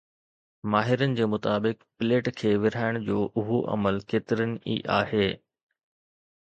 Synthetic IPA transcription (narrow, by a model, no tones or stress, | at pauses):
maːɦɪɾənɪ̆d͡ʑeːmʊt̪aːbɪkpɪleːʈkʰeːʋɪɾ̤aːɪɽ̃d͡ʑoːʔʊɦoʔɐ̰məlkeːt̪ɪɾənɪ̆ḭʔa̰ːɦeː